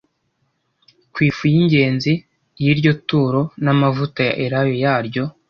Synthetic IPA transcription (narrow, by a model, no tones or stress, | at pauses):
kwiːfujiɲɟe̞ːnzi | jiɾɟo̞tuːɾo̞namavutaja̰ʔeɾajo̞jaːɾɟo̞